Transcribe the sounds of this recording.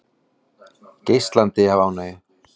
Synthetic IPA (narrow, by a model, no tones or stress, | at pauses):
cejst̪lant̪ɪhavaːwnaːjɪ